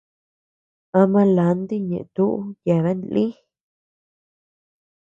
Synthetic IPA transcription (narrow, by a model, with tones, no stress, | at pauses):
ã˧mã˧la˨nd̪i˦ɲḛ̃˨ʔt̪u˦ʔu˦ja˨ða˦nlĩ˦